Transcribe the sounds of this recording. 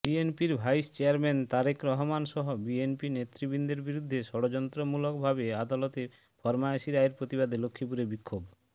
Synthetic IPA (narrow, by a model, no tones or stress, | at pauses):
bienpiɾbʱajst͡ɕeaɾment̪aɾekɾɔɦɔmanʃɔɦobienpinet̪ɾibind̪eɾbiɾud̪ʱːeʃɔɽod͡ʑɔnt̪ɾomulokbʱabead̪alɔt̪eɾ | fʰɔɾmaeʃiɾaeɾpɾot̪iβad̪elokʰːipuɾebikʰːob